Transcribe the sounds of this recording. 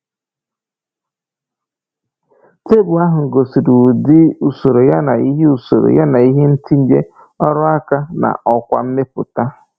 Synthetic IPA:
te˦bʊ˨a˦ɦʊ˨ŋ̩˨ɡo˨si˨du˨di˦u˨so˨ɾo˨ja˦na˨i˦ɦe˦u˨so˨ɾo̰˨ja˦na˨i˦ɦe˦n̩˦ti˦n̩˦de˦ | ɔ˦ɾɔ˦a˦ka˦na̰˨ʔɔ˦kʷa̰˨m̩˦me˦pʊ̰˨ta˦

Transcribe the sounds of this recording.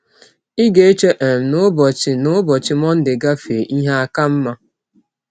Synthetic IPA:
i˦ɡe˨e˦t͡ʃe˦ʔe˨m̩˨nʊ˦bɔ˨t͡ʃɪ˨nʊ˦bɔ˨t͡ʃɪ˦mɔ˦n̩˦dɪ˨ɡa˦fe˨ʔi˦ɦa˦a˦ka˦m̩˦ma˦

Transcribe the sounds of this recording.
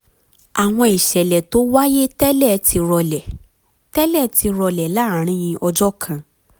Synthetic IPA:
a˨w̃ɔ̃˧i˨ʃɛ˨lɛ˨to˨˦wa˦je˦tɛ˦lɛ˦˨tʰi˧ɾɔ˧lɛ˨ | tɛ˦lɛ˦˨ti˧ɾɔ˧lɛ˨la˦˨˦ɾ̃ĩ˦j̃ĩ˧ʔɔ˧d͡ʒɔ˦kʰã˧

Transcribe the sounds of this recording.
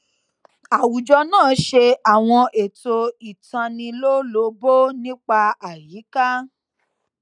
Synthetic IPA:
a˨wu˨d͡ʒɔ˧nãː˦˨˦ʃe˧a˨w̃ɔ̃˧ʔe˨to˧i˨tã˧nĩ˧lo˦lo˨˦bo˦nĩ˦k͡pa˧a˨ji˨˦ka˦

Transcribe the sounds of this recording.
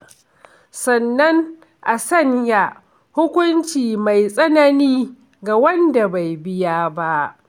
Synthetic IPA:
sɐ˨nːɐ˦ŋ | ʔa˨sɐ˦ɲja˨ | hʊ˦kʷʊ˦nt͡ʃiː˨ma˨jsʼɐ˦na˦niː˦ | ɡa˨wɐ˦nda˨ba˨jbɪ˦jaː˦ba˦ʔ

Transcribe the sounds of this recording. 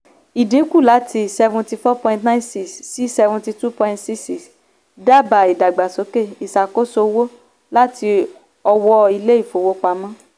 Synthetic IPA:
i˨dĩ˨˦ku˦˨la˨˦tʰi˧sɛ˧vũ˧ti˧fɔ˦pɔ̃˧ĩ˧ntnã˦nsi˦˨ssi˨˦sɛ˧vũ˧ti˧tu˦pɔ̃˧ĩ˧tsi˦si˦s | da˦ba˨i˨da˨ɡ͡ba˨so˨˦ke˦˨i˨sa˨ko˦so˧wo˦ | la˦ti˧ | ɔ˧wɔ˧i˧le˦i˦˨fo˨wo˦k͡pa˧˦mã˦

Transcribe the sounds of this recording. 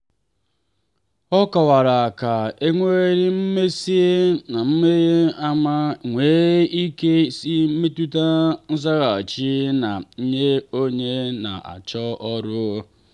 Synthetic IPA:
ɔ˦kɔ˨wa˨ɾa˨ka˨e˦ŋʷe˦ɾi˦m̩˦me˦si˦na˨m̩˦me˦e˦a˦ma˦ŋʷe˦i˦ke˦si˦me˦tu˦ta˦n̩˦za˦ɣa˨t͡ʃi˦na˨n̩˦ɲe˦o˦ɲe˦na̰˨ʔa̰˨t͡ʃɔ˦ɔ˦ɾʊ˦

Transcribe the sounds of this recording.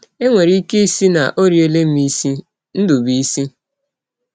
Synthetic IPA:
e˦ŋʷe˨ɾi˦i˦ke˦i˦si˦na̰˨ʔo˦ɾje˦le˦m̩˦i˦si˦ | n̩˦du˨bi˦si˦

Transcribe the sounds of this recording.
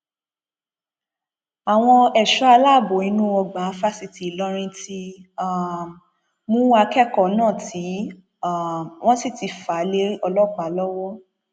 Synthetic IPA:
a˨w̃ɔ̃˧ɛ˨ʃɔ˦a˧la˦˨bo˨ĩ˨˦nũ˦ɔ˧ɡ͡bã˨˦fa˦si˧ti˨lɔ˦ɾ̃ĩ˧ti˧a˦˨ | mũ˦wa˧kɛ˦kɔ˨nãː˦˨tʰi˨˦˨ | w̃ɔ̃˦si˦˨ti˨˧fa˨˦le˦ɔ˧lɔ˦˨k͡pa˨lɔ˦wɔ˦

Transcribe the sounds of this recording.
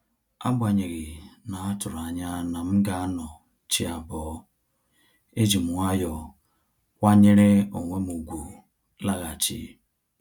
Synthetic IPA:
a̰˦bʷa˨ɲe˨ɣi˨na˨a˦tʊ˨ɾa˨ɲa˦na˨m̩˦ɡa˦nɔ˨ | t͡ʃi˦a˨bɔ˨ | e˦d͡ʒi˨mu˨wa˦jɔ˨ | wa˦ɲe˦ɾe˦o˨ŋʷe˦mu˨ɡʷu˨ | la˦ɣa˨t͡ʃḭ˦

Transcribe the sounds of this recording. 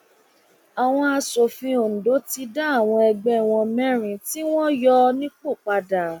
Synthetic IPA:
a˨w̃ɔ̃˧a˧so˨fĩ˧o˨n̩˨do˨˦ti˧da˦a˦˨w̃ɔ̃˧ɛ˧ɡ͡bɛ˧˦˨w̃ɔ̃˧mɛ̃˦ɾ̃ĩ˨ti˦w̃ɔ̃˦jɔ˧˦nĩ˦k͡po˦˨k͡pa˧da˨

